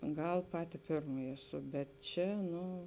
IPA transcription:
ˈɡɐlˠ ˈpɑːtʲɪ ˈpʲɪrmɐjɪ ɛˈsʊ bʲɛt ˈt͡ʃʲɛ ˈnʊ

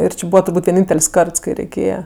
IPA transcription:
ɪr ˈt͡ʃʲɪ ˈbuːʋɐ tʊrˈbuːtʲ ʋʲiɛˈnʲiːnʲtʲɛlʲsʲ ˈkɐrts kɐɪ rʲɛɪˈkʲeːjɛ

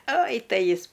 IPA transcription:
oːj ˈtɐɪ ˈjɪs

